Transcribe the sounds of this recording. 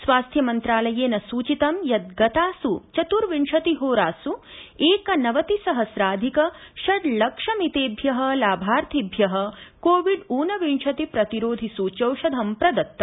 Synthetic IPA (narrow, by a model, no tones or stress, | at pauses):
sʋaːst̪ʰjɐmɐnt̪ɾaːlɐjeːnɐsuːt͡ʃit̪ɐmjɐt̪̚ɡɐt̪aːsut͡ʃɐt̪uɾʋiɳʂɐt̪iɦoːɾaːsueːkɐnɐʋɐt̪isɐɦɐsɾaːd̪ʱikɐʃɐd̪lɐkʂɐmit̪eːbʱjɐɦɐlaːbʱaːɾt̪ʰibʱjɐɦɐ̆koːʋiɖuːnɐʋiɳʂɐt̪ipɾɐt̪iɾoːd̪ʱisut͡ʃɐwʃɐd̪ʱɐmpɾɐd̪ɐt̪ːɐ